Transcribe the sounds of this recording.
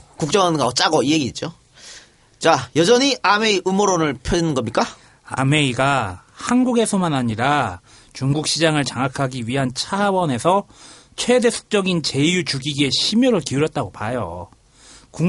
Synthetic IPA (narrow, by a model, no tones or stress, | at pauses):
kuk̚t͡ɕ͈ʌŋʌnɡaʌt͡ɕ͈aɡʌieɡiit͡ɕ͈o | t͡ɕajʌd͡ʑʌɲiame̞iʔɯmoɾonɯɭpʰjod͡ʑinɯnɡʌmɲik͈a | a̰me̞iɡahanɡuɡe̞sʰʌmanaɲiɾa | t͡ɕuŋɡuk̚ɕ͈id͡ʑaŋɯɭt͡ɕaŋakʰaɡiɥiɦant͡ɕʰawʌne̞sʰʌ | t͡ɕʰwe̞de̞sʰu̥k̚t͡ɕ͈ʌɡint͡ɕe̞jut͡ɕuɡiɡie̞ɕʰimjʌɾɯɭkiuɾjʌt̚t͈aɡopajo̰ | ku